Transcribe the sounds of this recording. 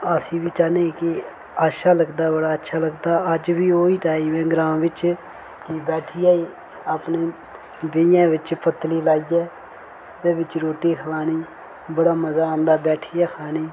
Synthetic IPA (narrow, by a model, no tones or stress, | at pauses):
əsĩːʋiːt͡ʃaːneːkɪ | aːʃaːləɡd̪aːbəɽaːətːʃʰaːləɡd̪aːəd͡ʒʋiːoːiːʈaːiːmɛ̃ːɡɾãːmʋɪt͡ʃ | kibɛːʈʰijaːiː | aːpneː | d̪ɪjãːʋɪt͡ʃpət̪liːlaːiːɛː | t̪ẽːʋɪt͡ʃɾoːʈːiːkʰəlaːniː | bəɽaːməzaːãːnd̪aːbɛːʈʰiːaːkʰaːniː